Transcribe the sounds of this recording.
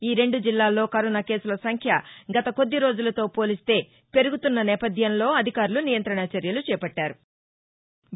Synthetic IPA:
iːɾe̞ɳɖud͡ʒilːaːlːo̞ːkɐɾɔnake̞ːsulɐsɐŋkʰjɐɡɐt̪ɐko̞d̪ːiɾo̞ːd͡ʒulɐt̪o̞ːpo̞ːlist̪e̞ː | pe̞ɾuɡut̪unːɐnɛːpɐd̪ʱjɐnlo̞ːɐd̪ʱikaːɾulunijɐnt̪ɾɐɳat͡ʃɐɾjɐlut͡ʃɛːpɐʈːaːɾu

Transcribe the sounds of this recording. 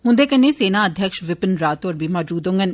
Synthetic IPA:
ɦʊ̃nd̪eːkənːẽːseːnaːəd̪ʱjəkʃʋɪpənɾaːt̪oːɾbiːmɔːd͡ʒuːd̪õŋɡən

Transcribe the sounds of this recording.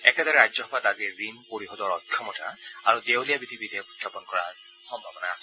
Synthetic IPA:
ɛkɛdɔɹɛɹazɔɦɔpataziɹimpoɹiɦɔdɔɹɔtʰjɔmɔtʰa̰aɹudewlijabidʱibidʱijɔkutʰjapɔnkɔɹa̰ | xɔmbʱabɔnaːsɛ

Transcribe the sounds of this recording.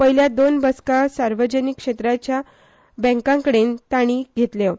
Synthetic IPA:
pəɦiljad̪onbəskasaɾʋəd͡ʑənikːʂet̪ɾat͡ɕja | bɛ̃ŋkãŋkəɽent̪aɽ̃iːɡʱet̪le

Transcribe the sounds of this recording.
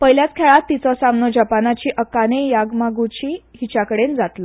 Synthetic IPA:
pəjljat͡skʰeɭat̪ːit͡sɔsamnod͡ʑapanat͡ɕiːʔəkanejaɡmaɡut͡ɕiːɦit͡ɕakəɽend͡zat̪lə

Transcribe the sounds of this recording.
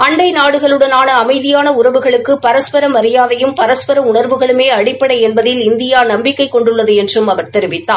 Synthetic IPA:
ɐɳɖɐɪnaːɽɯɣɐɭɯɽɐnaːnɐːmɐɪðɪjaːnɐʊɾɐʋɯɣɐɭɯkːɯpɐɾɐspɐɾɐmɐɾɪjaːðɐjɯmpɐɾɐspɐɾɐʊɳɐɾʋɯɣɐɭɯmeːɐɽɪpːɐɽɐɪɛnbɐðɪlɪnd̪ɪjaːnɐmbɪkːɐɪkːɔɳɖɯɭːɐðɯɛndrɯmɐʋɐɾt̪ɛɾɪʋɪt̪ːaː

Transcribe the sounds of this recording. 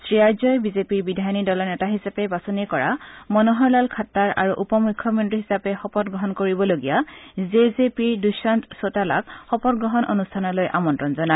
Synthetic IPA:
sɹiaɹzɔjbizepiɹbidʱajɔnidɔlɔɹnɛtaɦisapɛbasɔnikɔɹa̰mɔnɔɦɔɹlalkʰatːaɹa̰ɹuʔupɔmukʰːjɔmɔntiɦisapɛxɔpɔtɡɹɔɦɔnkoɹibɔloɡijazezepiɹdusantsotala̰kxɔpɔt̚ɡɹɔɦɔnʔo̰nustʰanɔlojʔa̰mɔntɹɔnzɔna

